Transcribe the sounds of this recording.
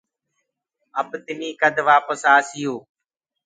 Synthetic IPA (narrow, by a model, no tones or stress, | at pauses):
əbt̪ɪniːkəd̪ʱʋaːpəsaːsɪjoː